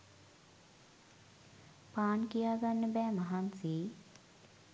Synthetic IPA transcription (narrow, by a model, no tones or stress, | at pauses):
paːnkijaːɡanːəbɛːmaɦanseː